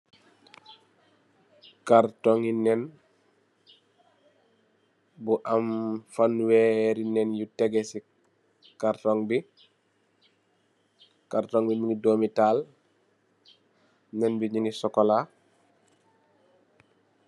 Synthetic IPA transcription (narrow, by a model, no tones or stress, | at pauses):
kaɾtɔŋinɛn | buʔamfanwɛːɾinɛnjutɛɡɛsi | kaɾtɔŋbi | kaɾtɔŋbimuŋidoːmitaːl | nɛnbiɲunisɔkɔla